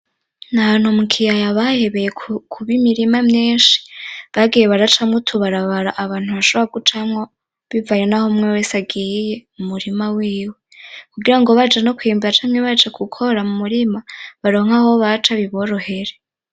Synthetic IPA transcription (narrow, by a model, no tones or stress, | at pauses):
nahan̥humukʰijajaβahe̞βe̞jekʰuβimiɾimamɲiːnʃi̥βaɡiːje̞βaɾat͡ʃamŋotʰuβaɾaβaɾaʔaβaːn̥huβaʃoβoɾaɡut͡ʃamŋo | βivajo̞nahomŋewesaɡiːje̞mumuɾimawiːwekuɡiɾaŋɡo̞βad͡ʒeno̞kwiːmbuɾat͡ʃamɲeβad͡ʒekukʰo̞ɾamumuɾimaβaɾo̞ŋ̥aho̞βat͡ʃaβiβo̞ɾo̞he̞ɾe